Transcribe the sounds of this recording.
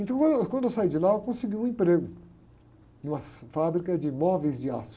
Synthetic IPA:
ẽt̪ɐ̃w̃kɐ̃kwɐ̃d̪ʊewsaid͡ʒɪlaewkõsɪɡiwũẽpɾeɡʊ | nũmɐfabɾikɐd͡ʒɪmɔvejzd͡ʒɪas

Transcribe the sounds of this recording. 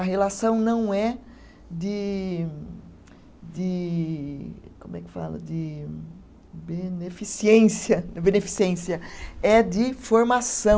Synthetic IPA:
ɐɦelasɐ̃w̃nɐ̃w̃ɛ | d̪ɪ | d̪ɪ | kõmʊɛkɪ̥fa̰lʊ̰d̪ɪ | benefisiẽsiɐbẽnefi̥siẽsiɐɛd̪ɪfoɾmasɐ̃

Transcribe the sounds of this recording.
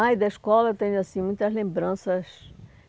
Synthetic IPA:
ajd̪ɐiʃkɔlɐt̪ẽɲʊasĩmũj̃t̪ɐzlẽmbɾɐ̃sɐs

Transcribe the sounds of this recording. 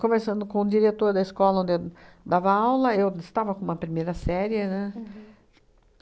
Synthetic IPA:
kõmesɐ̃nd̪ʊkõd͡ʒiɾet̪oɾd̪ɐiskɔlɐõnd̪ɪe | d̪avɐawlɐewɪst̪avɐkõũmɐpɾimejɾɐsɛɾjɪnɛ

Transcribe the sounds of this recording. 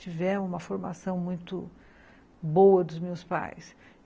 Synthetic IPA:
t͡ʃivɛmũmɐfoɾma̰sɐ̃w̃mũj̃t̪ʊ̰ | bowɐd̪ʊzmewspa̰js

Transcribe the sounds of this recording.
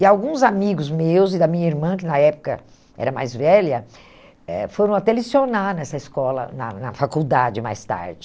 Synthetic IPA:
ɪawɡũzamiɡʊzmewzɪd̪ɐmĩɲɐiɾmɐ̃kɪnɐɛpʊ̥kɐ̰ | ɛ̰ɾɐma̰jzvɛlɐ | ɛ̰foɾɐ̃w̃at̪ɛlisionanɛsɐiskɔlɐ̰nɐnɐfakuwd̪ad͡ʒɪma̰jst̪a̰ɾd͡ʒɪ

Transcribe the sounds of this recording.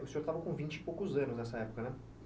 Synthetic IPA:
ʊsĩoɾt̪avɐkõvĩnt͡ʃɪpowkʊzɐ̃nʊznɛsɐɛpʊ̥kɐnɛ

